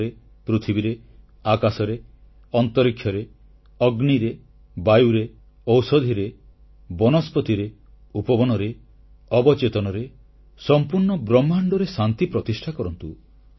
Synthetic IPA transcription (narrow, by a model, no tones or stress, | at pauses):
ɾe | pɾit̪ʰibiɾe | akasɔɾe | ɔnt̪ɔɾikʰːjɔɾe | ɔɡniɾe | bajuɾe | ɔwsɔd̪ʱiɾe | bɔnɔspɔt̪iɾe | upɔbɔnɔɾe | ɔbɔt͡ʃet̪ɔnɔɾe | sɔmpuɾɳɔbɾɔmːaɳɖɔɾesant̪ipɾɔt̪isʈʰakɔɾɔnt̪u